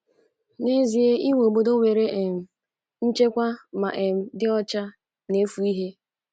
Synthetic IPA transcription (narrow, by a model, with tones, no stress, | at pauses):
ne˦zi˨e˦i˦ŋʷe˨o˨ɡ͡bo˦do˦we˨ɾe˦ʔe˨m̩˨ | n̩˦t͡ʃe˦kʷa˦ma̰˨ʔe˨m̩˨dɪ˦ɔ˦t͡ʃa˦ | ne˨˦fu˨i˦ɦe˦